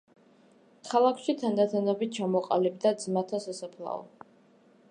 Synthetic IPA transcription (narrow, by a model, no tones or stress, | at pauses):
kʰalˠakʰʃit̪ʰand̪at̪ʰanabit̪̚t͡ʃʰamɔqʼa̰libd̪ad̪zmat̪ʰasasapʰlˠa̰ɔ̰